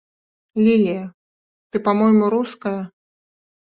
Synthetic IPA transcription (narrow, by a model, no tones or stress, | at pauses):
lʲilʲijɐ | t̪ɨpamɔjmuɾuskɐjɐ